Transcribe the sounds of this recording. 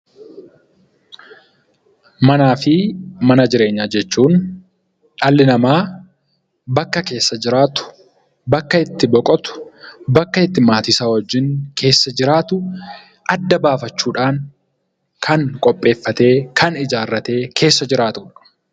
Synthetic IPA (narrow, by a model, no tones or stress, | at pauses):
mɐnaːfɪmɐnɐd͡ʒɪɾe̞ːɲːad͡ʒɛt͡ʃːuːn | ᶑɐlːɪnɐmaː | bɐkːɐke̞ːsːɐd͡ʒɪɾaːt̪ʊ̥ | bɐkːɐɪt̪ːɪbɔkʼɔt̪ʊ̥bɐkːɐɪt̪ːɪmaːt̪ɪsaːwɔd͡ʒːɪŋkʰe̞ːsːɐd͡ʒɪɾaːt̪ʊ | ɐd̪ːɐbaːfɐt͡ʃːuːᶑaːn | kʰɐŋkʼɔpʼːe̞ːfːɐt̪e̞ːkʰɐnɪd͡ʒaːrːɐt̪e̞ːkʰe̞ːsːɐd͡ʒɪɾaːt̪ʊᶑɐ̥